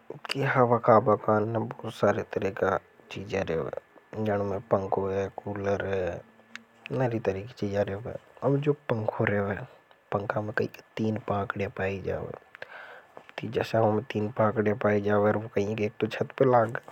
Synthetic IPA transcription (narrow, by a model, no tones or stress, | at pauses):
kiɦɐʋakaːbakaːnːẽbɔːt̪saːɾet̪əɾiːka | t͡ʃiːd͡ʒeɾḛːʋɛ̰ːd͡ʒɐɽ̃mẽpə̃ŋkʰoɦɛkuːləɾɦɛ | naɾit̪əɾiːki̥t͡ʃiːd͡ʒaɾeːʋɛ̰ːɐbd͡ʒoːpə̃ŋkʰoɾeːʋɛpə̃ŋkʰamẽkɐɦḭ̃kt̪iːnpãːkɖepaːid͡ʒa̰ːʋḛ | t̪id͡ʒɛːsaʋamẽt̪iːnpãːkɖepaːid͡ʒaːʋeəɾʋokɐɦĩkeːk̚t̪ot͡ʃʰɐt̪pelaːɡaː